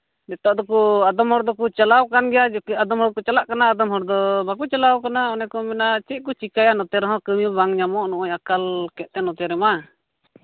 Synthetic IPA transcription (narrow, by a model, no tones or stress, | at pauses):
dɛt̪ɔʔd̪ɔkuad̪ɔmhɔɾd̪ɔkut͡ʃalawkanɡɛjad͡ʒɔkiad̪ɔmhɔɾkɔt͡ʃalaʔkanaːd̪ɔmɦɔɾd̪ɔbakut͡ʃalawkanaɔnɛkɔmɛnat͡ʃiʔ̪̚kut͡ʃikajanɔt̪ɛɾɔɦɔ̃kəmibaŋɲamɔʔnɔʔɔɲakalkɛʔ̪̚t̪ɛnɔt̪ɛɾɛma